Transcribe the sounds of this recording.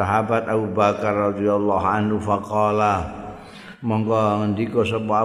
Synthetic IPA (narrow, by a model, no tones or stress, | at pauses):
aɦabat̪abubakarːɑd̪ijalːɑɦanhufaqɔla | mɔŋkɔŋənd̪ikɔsɔpɔa